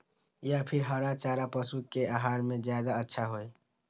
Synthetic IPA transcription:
japʰɪɾɦəɾat͡ʃaːɾapəsukeaɦaːɾmẽzjaːd̪aətːʃʰaɦoːe

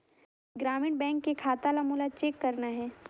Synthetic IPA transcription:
ɡɾaːmɪːɳbɛ̃ːŋkːekʰaːt̪alamuːlat͡ʃeːkːɐɾnaɦɛː

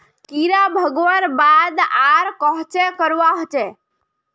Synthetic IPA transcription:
kiɾabʱəɡʋənbad̪aɾkəɦt͡ʃekəɾwaɦt͡ʃe

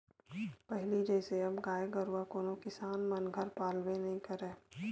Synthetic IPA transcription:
pɛɦlid͡ʒɛːseɐbɡaːeɡəɾwakoːnokɪsaːnmɐnɡʱəɾpaːlwẽnɐɦĩkɐɾẽː

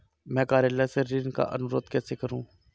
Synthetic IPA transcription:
mɛ̃ːkaːɾjəːlaːseɾinka̰ʔənʊɾoːt̪kɛːsekəɾũː

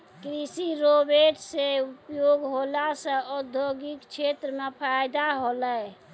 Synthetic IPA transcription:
kɾisiɾobeʈseupjoɡɦolasə̃ɔd̪ʱjoɡikt͡ʃʰet̪ɾəmepʰajd̪aɦoləj

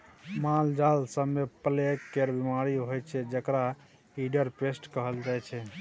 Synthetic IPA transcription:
mald͡ʒalsəbmepəlekːeɾbimaɾiɦojt͡ʃʰɛd͡ʒəkɾa | iɖəɾpesʈkəɦəld͡ʒajt͡ʃʰɛ

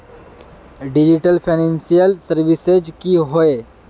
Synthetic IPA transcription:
ɖid͡ʒiʈəlpʰanẽnsijəlsəɾʋised͡ʒkiɦoe

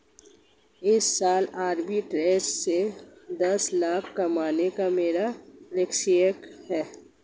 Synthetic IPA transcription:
ɪsːaːlaːɾbiʈɾeːssed̪ɐslaːkʰkɐmaːnekameːɾalekʃijəkhɛː

